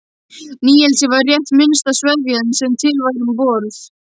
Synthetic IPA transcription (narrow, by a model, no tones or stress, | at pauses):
niːjɛlsɪvaɾrjɛht̪mɪnst̪asvɛðvjiɛnsɛmt̪ʰɪlvajɾʏmpɔːɾθ